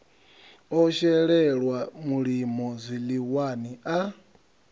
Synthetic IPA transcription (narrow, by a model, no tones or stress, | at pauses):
ɔʃɛɺɛɺwamuɺimɔzʷiliwaniʔa